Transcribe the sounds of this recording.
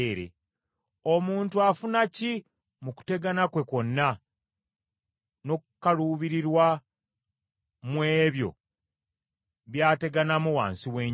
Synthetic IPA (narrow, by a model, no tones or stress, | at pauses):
ɾḛ | omuːntuafunaci | muku̥te̞ɡanakwe̞ko̞nːa | no̞kkːaluːβiɾiɾwa | mwe̞ːβjo̞̰ | βjaːte̞ɡanamuwa̰ːnsiwe̞ːɲ